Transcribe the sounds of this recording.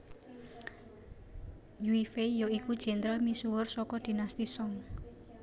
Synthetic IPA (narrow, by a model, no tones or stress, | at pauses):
juifejoikud̥ʒ̥ɛ̤nt̪ɾəlmisuwʊrsɔkɔd̪̥i̤nast̪isɔŋ